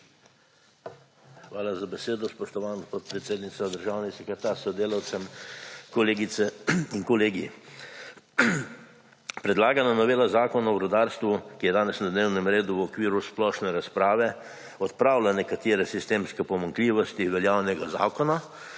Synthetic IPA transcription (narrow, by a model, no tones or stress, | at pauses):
xʋaːlazabɛseːd̪ɔspɔʃt̪ɔʋaːnɡospot̪pɾɛt̪seːd̪nit̪sad̪əɾʒawnɛsɛkɛt̪aɾsɔd̪eːlawt̪sɛmkɔleːɡit̪sɛiŋkɔleːɡi | pɾɛd̪laːɡananɔʋeːlazaːkɔnaɔɾɔd̪aɾst̪ʋukijɛd̪aːnɛsnad̪neːwnɛmɾeːd̪uwɔkʋiːɾusplɔːʃnɛɾaspɾaːʋɛ | ɔt̪pɾawlanɛkat̪eːɾɛsist̪eːmskɛpɔmaŋkliːʋɔst̪iʋɛljaːwnɛɡaza̰ːkɔna